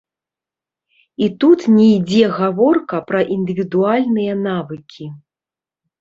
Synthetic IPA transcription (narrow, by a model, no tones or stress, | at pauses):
it̪ut̪nʲɛjd͡zʲɛɣavɔrkɐpɾɐʔind̪ɨvʲid̪ualʲnɨjɐnavɨkʲʰi